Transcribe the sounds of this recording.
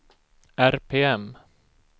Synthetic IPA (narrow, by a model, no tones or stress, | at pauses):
æɾpʰeːɛm